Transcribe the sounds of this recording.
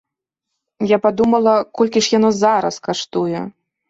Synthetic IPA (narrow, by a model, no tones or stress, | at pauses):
japad̪umɐlˠɐkɔlʲkʲiʂjanɔzaɾɐskaʂt̪ujɛ